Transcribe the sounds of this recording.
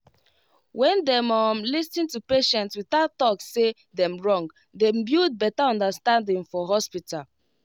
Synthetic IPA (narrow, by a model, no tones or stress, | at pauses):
wɛ̃ndɛ̃mɔmlistĩntupeʃɛ̃ntswiθaʊttɔksse | dɛ̃mɹɔ̃ŋɡ | dɛ̃mbjud̚bɛtaɔ̃ndastãndĩŋfɔɦɔspital